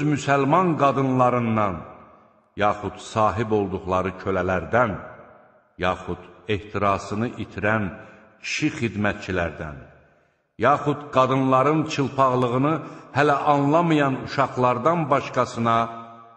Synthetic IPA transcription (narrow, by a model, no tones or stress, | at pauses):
zmysælmɑnɡɑd̪ɯnlˠɑɾɯnd̪ɑn | jɑːχud̪̥sɑːɦibo̞lˠd̪uχlˠɑɾɯcʰølælæɾd̪æn | jɑːχud̪eht̪ʰiɾɑːsɯnɯʔit̪ʰiɾæn | cʰi̥ʃiχid̪mæt̪̚t͡ʃʰilæɾd̪æ̰n | jɑːχud̪ɡɑd̪ɯnlˠɑɾɯnt͡ʃʰɯlˠpʰɑʁlˠɯɣɯnɯhælæʔɑnlˠɑmɯjɑnuʃɑχlˠɑɾd̪ɑnbɑʃkɑsɯnɑ